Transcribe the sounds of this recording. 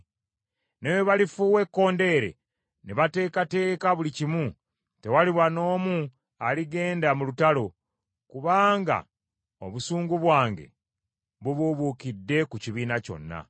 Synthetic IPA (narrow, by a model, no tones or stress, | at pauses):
neweβalifuwe̞kːo̞ːnde̞ːɾe̞̰ | neβate̞ːkate̞ːkaβulicimu | te̞waliβwano̞ːmu | aliɡe̞ːndamulutalo̞ | kuβaːŋɡa̰ | o̰βusuːŋɡuβwaːŋɡe̞̰ | βuβuβukidːe̞kuciβiːnaco̞̰nːa̰